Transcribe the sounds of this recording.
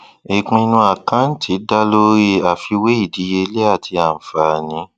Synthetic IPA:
i˨k͡pĩ˧nũ˧a˨kã˨˦n̩˦tʰi˨˦da˦lo˦ɾe˧a˨fi˧we˦i˦˨di˨˦je˧˦le˦a˦˨tʰi˧a˨n̩˨fa˨nĩ˨˦

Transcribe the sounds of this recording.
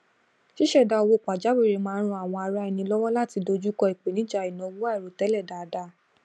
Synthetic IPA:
ʃi˦ʃɛ˦˨da˨˧o˧wo˦˨k͡pa˨d͡ʒa˨˦we˦˨ɾe˨˦mãː˦˧˦ɾ̃ũ˧˦a˨w̃ɔ̃˧a˧ɾa˦i˨˧nĩ˧˦lɔ˦wɔ˦la˦˨ti˧do˧d͡ʒu˦kɔ˧i˨k͡pe˨nĩ˨˦d͡ʒa˧˨i˨nɔ̃˨˧˦wu˦a˦ɛ˨ɾo˨tɛ˨˦lɛ˦˨da˨˧da˧˦

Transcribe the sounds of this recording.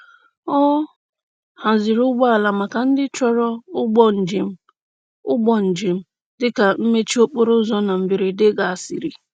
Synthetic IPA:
ɔ˦ | ha˨zɪ˨ɾʊ˦ɡ͡bɔ˦a˨la˨ma˨ka˨n̩˦dɪ˦t͡ʃɔ˦ɾɔ˦ʊ˦ɡ͡bɔ˦n̩˨d͡ʒɪ˨m̩˦ | ʊ˦ɡ͡bɔ˨n̩˨d͡ʒiɪ˨m̩˦ | dɪ˦ka˨m̩˦me˦t͡ʃi˦o˦k͡po˦ɾʊ˦zɔ˦na˨m̩˨bɪ˨ɾɪ˨dɪ˦ɡa˨a˨si˨ɾi˨

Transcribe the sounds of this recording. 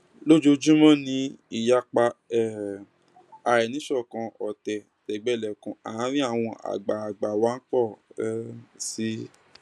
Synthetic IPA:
lo˦d͡ʒo˧d͡ʒũ˦mɔ̃˦nĩ˧˦i˦˨ja˧k͡pa˧ɛ˦ | a˨ɾɛ˨nĩ˨˦ʃɔ˦˨kã˧ɔ˨tɛ˨ | tɛ˨ɡ͡bɛ˦˨lɛ˨kũ˨˦a˨˦ɾĩ˦a˦˨w̃ɔ̃˧ʔa̰˨ɡ͡ba˨a˨ɡ͡ba˨wa˦n̩˦k͡pɔ˦˨˦ | si˦

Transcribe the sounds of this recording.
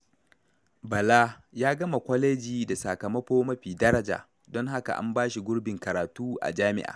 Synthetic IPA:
bɐ˨laː˦jaː˦ɡɐ˦ma˨kʷɔ˦leː˦d͡ʒiː˨da˨saː˨kɐ˨mɐ˦ɸoː˦mɐ˦ɸiː˨dɐ˦ɾɐ˦d͡ʒa̰ː˨ | dɔ˦ŋɦa˦ka̰˨ʔa̰˦mbaː˦ʃi˨ɡʷʊ˦ɽbɪ˨ŋkɐ˨ɾaː˨tuː˦ʔa̰˨d͡ʒaː˦mɪ̰˦ʔa̰ː˨

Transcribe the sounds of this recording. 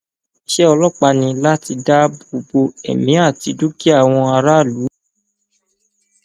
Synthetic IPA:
ʃe˦ɔ˧lɔ˦k͡pa˧nĩ˧la˦ti˧da˦bo˧bo˧ɛ̰˨mĩ˨˦a˦˨ti˨˧˦du˦ki˦a˦˨w̃ɔ̃˧a˧ɾa˦˨lu˨˦

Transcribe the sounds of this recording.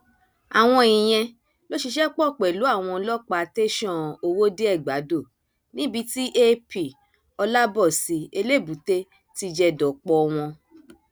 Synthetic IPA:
a˨w̃ɔ̃˧i˨j̃ɛ̃˧ | lo˦ʃi˧ʃɛ˦k͡pɔ˦˨k͡pɛ˨lu˨˦a˦˨w̃ɔ̃˧lɔ˦k͡pa˧˨˧te˦ʃɔ̃˦˨o˧wo˦de˦ɛ˦˨ɡ͡ba˨˦do˦˨ | nĩ˨˦bi˧ti˦ʔe˦pi˨ | ɔ˧la˦bɔ˦˨si˨˦e˧le˦˨bu˨te˧ | ti˧d͡ʒɛ˧dɔ˨k͡pɔ˦˧w̃ɔ̃˧

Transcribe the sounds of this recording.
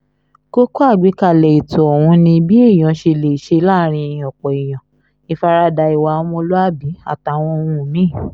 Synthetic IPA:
ko˦ko˦a˦˨ɡ͡bi˨˦ka˦˨lɛ˨i˨tu˨ɔ˨wũ˧˦nĩ˧bi˦e˦˨j̃ã˨˦ʃe˧le˨i˨ʃe˧˦la˦ɾ̃ĩ˧ĩ˨ɔ̃˨k͡pɔ˨i˨j̃ã˨ | i˧fa˧ɾa˧da˧i˨wa˧˦mɔ̃˧˦lo˦a˦bi˨˦a̰˦˨ta˨w̃ɔ̃˧wũ˦˨mĩ˦˨

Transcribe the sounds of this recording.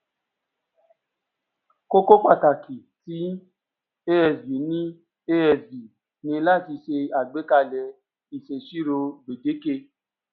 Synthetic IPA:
ko˦ko˦k͡pa˦˨ta˨ki˨ti˨˦ | e˦ɛ˧˨sbi˨˦nĩ˦ | e˦ɛ˧˨sbi˨ | nĩ˧la˦˨ti˧ʃe˧a˨ɡ͡be˨˦ka˧lɛ˧ | i˨ʃe˨ʃi˦ɾo˧ɡ͡be˨de˨˦ke˧

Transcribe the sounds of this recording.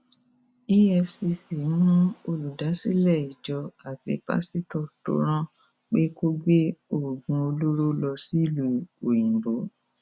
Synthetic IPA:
i˦ɛ˧fsi˧si˨˦nũ˦o˧lu˨da˨˦si˦lɛ˦˨i˨d͡ʒɔ˧a˨tḭ˨˦pa̰˦si˦tɔ˦˨to̰˨˦ɾ̃ã˦ | k͡pe˦ko˦ɡ͡be˦o˦˨ɡũ˧o˧lo˦ɾo˦lɔ˧si˦˨lu˨o˨jĩ˨bo˨˦

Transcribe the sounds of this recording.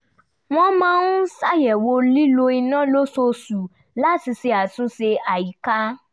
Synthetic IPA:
w̃ɔ̃˦mã˦nu˦sa˦˨jɛ˨wo˧li˦lo˧i˧nã˦˨lo˦so˧su˨ | la˦ti˧se˧a˨tũ˨˦se˧a˨ji˨˦ka˦

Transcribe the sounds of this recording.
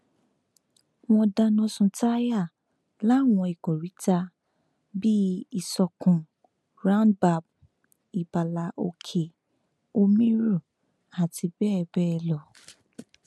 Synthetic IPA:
w̃ɔ̃˧da˧nɔ̃˦sũ˧ta˦ja˦˨ | la˨˦˨w̃ɔ̃˧i˨ko˨ɾi˨˦ta˧ | bi˦i˨sɔ˨kũ˨ | ɾã˦nba˧˨b̚ | i˨ba˨la˨ʔo̰˧kʰe˨ | o˧mĩ˦ɾu˦˨ | a˨ti˧bɛ˦˧˨bɛ˦˧lɔ˨

